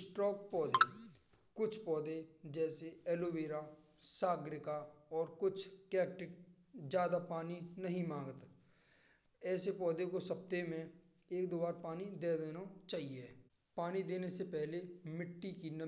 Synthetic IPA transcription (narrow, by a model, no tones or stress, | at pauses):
sʈɾɔːk̚pɔːd̪ḛ | kʊt͡ʃʰpɔːd̪ed͡ʒɛːseɛːloʋeːɾa | saːɡɾɪkaɔːɾkʊt͡ʃʰkɛːkʈɪk | d͡ʒjaːd̪apaːninɐɦĩmãːŋɡət̪ | ɛːsepɔːd̪ekosɐp̚t̪emẽ | eːk̚d̪oːbaːɾpaːnid̪eːd̪eːnat͡ʃaːɦie | paːnid̪eːnesepɛɦlemɪʈːikinɐ